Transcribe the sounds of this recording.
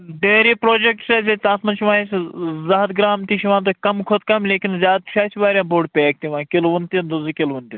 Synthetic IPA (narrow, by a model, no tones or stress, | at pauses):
ɖeːɾiːpɾoːd͡ʒek̚ʈseset̪ãːsmɐnʃiʋaːszaːd̪ɡɾaːmt̪iʃiʋãːnt̪̬okɐmkʰot̪kɐmleːkʲinzʲaːd̪̚ʃʰaːsibaːɾʲjãːbʱoːɖpʲeɐk̚t̪iʋãːkelʋunt̪ind̪uzikelʋunt̪i